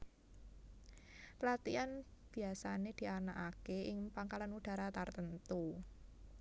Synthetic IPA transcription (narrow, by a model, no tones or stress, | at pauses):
plat̪ianb̥i̤asaned̪̥i̤anakakeɪŋpaŋkalanuɖ̥a̤ɾat̪art̪ənt̪u